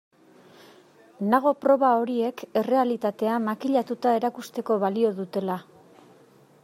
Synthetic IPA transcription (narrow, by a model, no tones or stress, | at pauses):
naɣ̞o̞pɾo̞βao̞ɾie̞ke̞re̞alit̪at̪e̞amakiʎat̪ut̪ae̞ɾakust̪e̞ko̞βalio̞ðut̪e̞la